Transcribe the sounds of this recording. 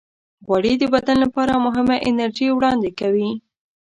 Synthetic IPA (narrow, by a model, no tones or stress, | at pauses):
ɣwaɽid̪əbad̪allapɑɾamʊɦɪmaʔɪnaɾʒiwɽɑnd̪ekawi